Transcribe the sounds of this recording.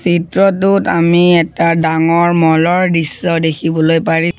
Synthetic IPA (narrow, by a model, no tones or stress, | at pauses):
sitɹɔtutamiɛtadaŋɔɹmɔlɔɹdisːɔdekʰibɔlojpaɹi